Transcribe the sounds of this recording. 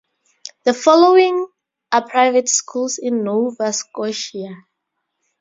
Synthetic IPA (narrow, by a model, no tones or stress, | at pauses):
ðəfɔloĩŋ | ʔapʰɹaɪvɛtskʰulsĩnːovaskɔʃia